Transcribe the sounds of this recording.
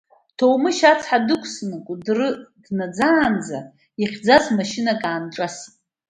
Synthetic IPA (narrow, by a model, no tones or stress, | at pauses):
tʰowmɨʃat͡sʰħadɨkʷʰsnɨkʼudrɨdnad͡zaːnd͡za | iχʲd͡zazmaʃɪnakʼaːnʈ͡ʂʼasi̥tʼ